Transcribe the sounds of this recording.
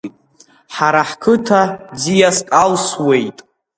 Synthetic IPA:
tʼ | ħaɾaħkʰɨtʰad͡zijaskʼalswe̞jtʼ

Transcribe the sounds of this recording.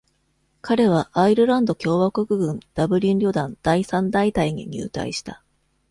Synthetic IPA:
kʰaɾe̞β̞aʔːiɾɯ̟ɾãnd̪o̞kʲo̞ːβakokɯ̟ɡɯ̟̃nd̪̥abɯ̟ɾʲĩnɾʲo̞d̪ãnd̪̥aisãnd̪ait̪aiɲḭɲ̟ʲɨ̰ːt̪a̰ḭɕi̥t̪a

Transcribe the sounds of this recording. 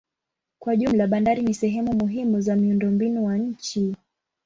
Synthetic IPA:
kwaʄum̩laɓandaɾinisɛɦɛmumuɦimuzamiundɔmbinuwaɲ̩t͡ʃi

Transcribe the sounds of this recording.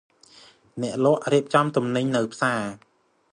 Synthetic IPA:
nɛ̆əʔlɔ̆əʔriəp̚t͡ɕɑmt̪umnɨɲnɨwpʰsaː

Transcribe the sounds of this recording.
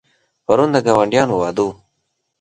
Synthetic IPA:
pɐɾund̪əɡawɐɳɖjaːnuwaːd̪uː

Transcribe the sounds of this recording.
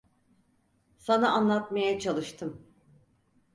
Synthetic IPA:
sanaanlˠat̪majat͡ʃʰalˠɯʃt̪ʰɯm

